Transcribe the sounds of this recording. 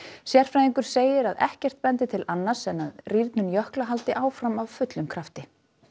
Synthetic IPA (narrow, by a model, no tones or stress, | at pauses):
sjɛr̥fɾajðiŋkʏɾ̥seːjɪɾaðɛ̰hcɛr̥t̪̚pɛnt̪ɪt̪ʰɪlanːasɛnaðriɾt̪nʏnjœhklaɦalt̪ɪʔaːwfɾamavfʏt̪lʏmkʰɾaft̪ɪ